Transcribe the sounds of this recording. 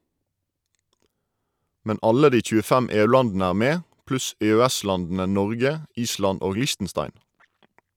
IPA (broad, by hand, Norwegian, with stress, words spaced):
ˈmɛn ˈɑlə ˈdiː c͡çʉːəˈfæm ˈeːʉˌlɑndn̩ə ˈæːʁ ˈmeː ˈplʉs eːøːˈæˌslɑndn̩ə ˈnɔʁɡə ˈiːslɑn ˈoːɡ ˈlɪʃtn̩ˌstɑɪn